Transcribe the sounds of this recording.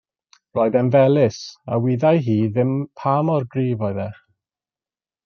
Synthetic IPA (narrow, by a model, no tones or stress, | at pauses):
rɔːɨðɛnvɛlˠɪsa̰wiðajɦiːðɪmpʰamɔrɡriːvɔɨðɛχ